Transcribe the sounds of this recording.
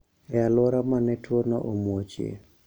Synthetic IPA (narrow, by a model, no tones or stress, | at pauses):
ɛalɔɾamanɛtwonɔ̰ʔomwot͡ʃḛ